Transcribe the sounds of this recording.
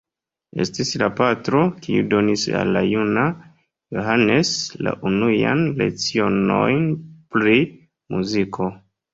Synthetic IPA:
e̞̰stislapatɾo̞kiudo̞nisa̰lːajuna | joɦane̞sla̰ʔunujanle̞̰kt͡sio̞no̞jnpli | muzikʰo̞

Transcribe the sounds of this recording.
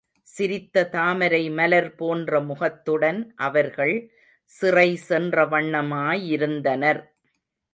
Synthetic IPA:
sɪɾɪt̪ːɐt̪aːmɐɾɐɪmɐlɐɾpoːndrɐmʊɣɐt̪ːɯɽɐnʔɐʋɐɾɣɐɭ | sɪrɐɪsɛndrɐʋɐɳːɐmaːjɪɾɯnd̪ɐnɐɾ

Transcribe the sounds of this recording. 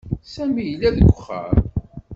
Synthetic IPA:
sæmijəlːæðəɡʷʊχːə̰ɾˤ

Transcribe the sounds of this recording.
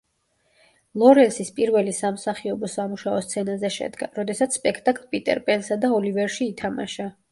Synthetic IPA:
lˠɔɾɛnsispʼiɾvɛlisamsaχiɔbɔsamuʃaɔst̪sʰɛnazɛʃɛ̰d̪ɡa̰ɾɔd̪ɛsat̪sspʼɛkʰt̪ʼakʼlˠpʼit̪ʼɛ̰ɾpʼɛnsad̪aɔlivɛɾʃiːt̪ʰama̰ʃa

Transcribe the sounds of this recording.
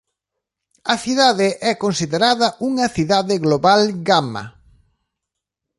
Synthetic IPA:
ɐθiðaðeʔɛkonsiðeɾaðɐʔuŋɐθiðaðɪɣloβalɡamɐ̰

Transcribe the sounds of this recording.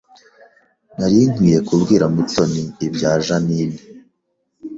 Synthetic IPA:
naɾin̥wiːje̞kubɡiːɾamuto̞niːbɟaːʒaniːmi

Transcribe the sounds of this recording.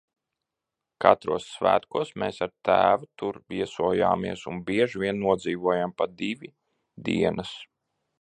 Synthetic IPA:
kat̪ɾuɔsːvæ̰ːt̪kuɔsmeːsaɾt̪æːvut̪uɾvʲiɛsuɔja̰ːmiɛsunbʲiɛʒvʲiɛnːuɔd̪ziːvuɔjampad̪ivʲi | d̪ḭɛnʔas

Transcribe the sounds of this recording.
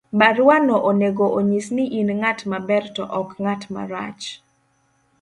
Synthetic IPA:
baɾʊwanɔʔoneɡoʔoɲisniʔinŋatmabɛrtɔ̰ʔɔkŋatma̰ɾa̰t͡ʃ

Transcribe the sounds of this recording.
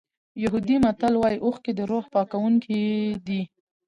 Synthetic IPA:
jaɦud̪imat̪alwɑjiʔoxked̪əɾohpɑkawuŋkʰid̪i

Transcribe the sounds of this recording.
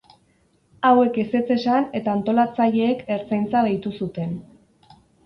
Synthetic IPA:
awe̞kese̞t͡se̞sane̞t̪aːnt̪o̞lat͡saʎe̞ːke̞ɾt͡sajnt͡saðajt̪usut̪e̞n

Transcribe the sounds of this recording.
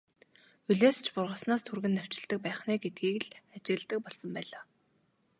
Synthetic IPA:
ɵɮeːst͡ɕʰpʊrʁə̆snaːst̪ʰurɣɘ̆nːœw̥t͡ɕɪ̆ɮt̪ə̆k̚pæːχnæːɡet̪̚ɡiːkɮat͡ɕɪ̆ɣ̆ɮt̪ə̆k̚pɔɮsɞ̆mpæːɮaː

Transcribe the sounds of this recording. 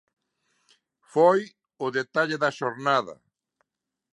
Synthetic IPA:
foj | ʊðet̪aʎeðɐʃoɾnaðɐ̰

